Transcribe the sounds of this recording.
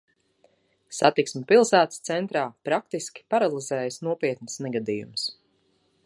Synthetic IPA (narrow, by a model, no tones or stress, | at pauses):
sat̪iksmɛpilˠsæːt̪st̪sɛnt̪ɾaːpɾak̚t̪iskʲi̥paɾalˠizɛːjasnuɔpiɛt̪nɪsnɛɡad̪ijṵms